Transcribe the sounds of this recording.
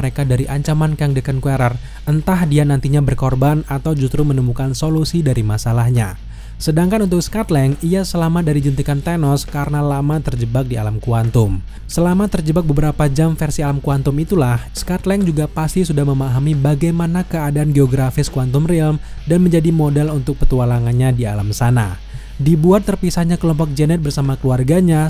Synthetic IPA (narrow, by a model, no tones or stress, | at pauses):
əɾekadaɾiʔaɲt͡ʃamankaŋdəkənkueɾar | ənt̪ahdianant̪iɲabərkɔrbanat̪awd͡ʒust̪ɾumənəmukansolusidaɾimasalahɲa | sədaŋkanunt̪ʊk̚skat̪lɛŋiasəlamadaɾid͡ʒənt̪ikant̪enɔskaɾənalamat̪ərd͡ʒəbak̚dialamkuant̪ʊm | səlamat̪ərd͡ʒəbak̚bəbəɾapad͡ʒamfɛrsialamkuant̪ʊmit̪ulahskat̪lɛŋd͡ʒuɡapast̪isudahməmaɦamibaɡajmanakəadaanɡeoɡɾafɪskuant̪ʊmrilmdanməɲd͡ʒadimodɛlunt̪ʊk̚pət̪ualaŋanɲadia̰lamsana̰ | dibuat̪ːərpisahɲakəlɔmpɔk̚d͡ʒənɛt̪̚bərsamakəluarɡaɲa